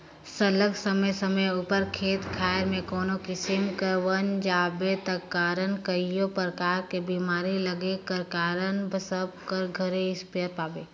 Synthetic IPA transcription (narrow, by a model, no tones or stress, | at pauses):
sələɡsəməjsəməjuːpəɾkʰeːt̪kʰaːɾmẽkoːnokisɪmkəɾʋənd͡ʒaːbet̪əkːaːɾənkəijopɾəkaːɾkebimaːɾiləɡekəɾkaːɾənbʱəsəb̚kəɾɡʱəɾeɪspijəɾpaːbe